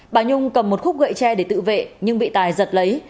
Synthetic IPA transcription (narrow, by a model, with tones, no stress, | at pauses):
ɓaː˨˩ɲʊ˧ŋ͡mkə˨˩mːo˨˩t̚xʊ˦˥k͡p̚ɣə̰˧˨jt͡ɕɛ˧ɗe˧˩t̪ɨ̰˧˨vḛ˧˨ɲɨ˧ŋɓḭ˧˨t̪aː˨˩jzə˨˩t̚lə˨˦j